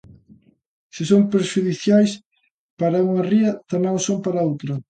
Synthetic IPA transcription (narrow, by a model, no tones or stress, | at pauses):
sɪsompeɾʃuðiθjajs | paɾɐuŋɐriɐt̪ɐmãŋsompaɾɐowt̪ɾɐ